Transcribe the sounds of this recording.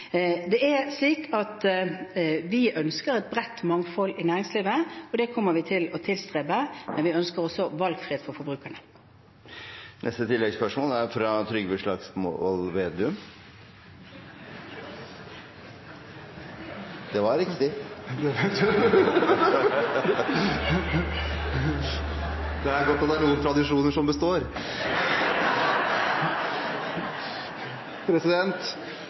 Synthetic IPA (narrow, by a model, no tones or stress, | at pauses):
d̪ɛæɾʂliːkʰɑt̪ | ʋɪʔœnskəɾɛt̪̚bʁɛt̪ːmɑŋfɔlɪnæːɾɪŋsliːʋəɔd̪ɛkʰɔmːəɾʋɪt̪ʰɪlɔt̪ʰɪlst̪ʁeːbəmɛnʋɪœnskəɾɔsːɔʋɑlɡfɾɪeːd̪fɔɾfɔɾbɾʉːkəɳə | nʔɛst̪ət̪ʰɪlːɛɡspœʂmoːlæɾfɾɑt̪ʰɾʏɡʋəʂɭɑɡsmo̰ɔlʋeːd̪ʉm | d̪ɛʋɑɾɾɪkt̪ɪ | d̪ɛæɾɡɔt̪ːɔd̪æɾnuːənt̪ʰɾɑd̪ɪʂuːnəʂɔmbəst̪oːɾ | pʰɾɛsɪd̪ɛnt̪